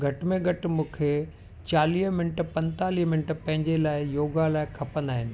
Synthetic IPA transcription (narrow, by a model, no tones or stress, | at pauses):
ɡʱɐʈmẽɡʱɐʈmũːkʰe | t͡ɕaːliːɦmɪnʈpɐ̃nt̪aːliːɦmɪ̃nʈpɐ̃ɦɪ̃ɲd͡ʑelaːɪjoːɡalaːɪkʰɐpə̃nd̪aːɦɪnɪ̆